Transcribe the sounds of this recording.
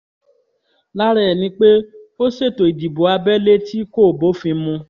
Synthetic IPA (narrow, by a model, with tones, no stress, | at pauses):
la˦ɾɛ˦˨nĩ˧˦k͡pe˦o˦se˦˨to˨i˨d͡ʒi˨bo˨˦a˧bɛ˦le˦ti˦ko˦˨bo˨˦fĩ˧˦mũ˧